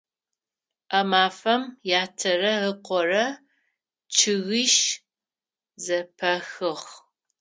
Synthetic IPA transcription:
ɐmaːfɐmjaːtʰɐrɐəqʷɔrɐ | t͡ʃʰɪɣiːʃ | zɐpʰɐxɨχ

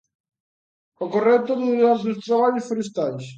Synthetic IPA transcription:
okorɛt̪oðuaɾzðost̪ɾaβaʎosfoɾest̪ajs

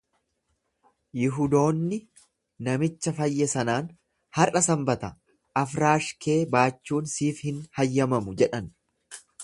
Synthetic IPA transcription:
jɪɦʊd̪o̞ːnːɪ | nɐmɪt͡ʃːɐfɐjːɛsɐnaːn | hɐrʔɐsɐmbɐt̪ɐ | ʔɐfɾaːʃke̞ːbaːt͡ʃːuːnsiːfhɪnhɐjːɐmɐmʊd͡ʒɛᶑɐn

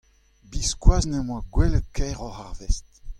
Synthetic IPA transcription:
biskwaːznəmwaɡwɛləkʰɛʁɔʁaʁvɛst

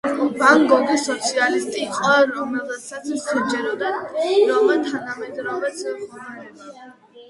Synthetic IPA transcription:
baŋɡɔɡisɔt̪sʰialist̪ʼiqʼɛɾɔmɛlˠasat̪sʰtʰɛd͡ʒɛɾɔd̪aɾɔvɛt̪ʰanamɛd̪ɾɔvɛs

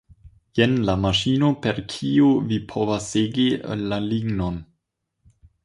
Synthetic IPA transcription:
jenlamaʃinopeɾkʰiovipʰovasːeɡḭlaliɡnon

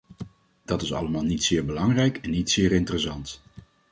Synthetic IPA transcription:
d̥ɑtɪsɑ̰ləmaːlˠnitsɪːɹbəlɑŋrɛjkɛnːitsɪːɾɪntərəsɑnt

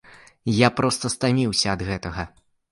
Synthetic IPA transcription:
japɾɔst̪ɐst̪amʲiwsʲɐːd̪ɣɛt̪ɐɣɐ

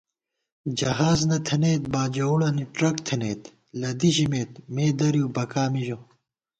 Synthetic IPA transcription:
d͡ʑɐɦaːznɐt̪ʰɐneːt̪̚baːd͡ʑɐuɽɐniʈɾɐkt̪ʰeneːt̪ | lɐd̪iɕimeːt̪meːd̪ɐɾijubɐkaːmiʑo

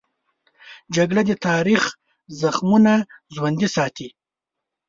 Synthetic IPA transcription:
d͡ʒaɡɽad̪ət̪ʰɑɾix | zaxmunaʒwand̪isɑt̪ʰi

